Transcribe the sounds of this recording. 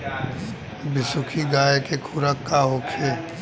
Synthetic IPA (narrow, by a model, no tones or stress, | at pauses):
bɪsʊkʰiɡaːkekʰuɾəkːaɦoːkʰe